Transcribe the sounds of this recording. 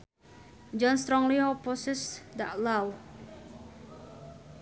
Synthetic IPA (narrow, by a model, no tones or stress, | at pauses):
d͡ʒɔnst̪ɾɔŋliɔpɔsɛsd̪a̰ʔlaw